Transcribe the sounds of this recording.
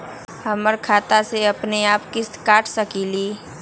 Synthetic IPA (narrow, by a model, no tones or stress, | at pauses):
həməɾkʰaːt̪aseɐpneaːpkɪskaːʈʰsəkiːliː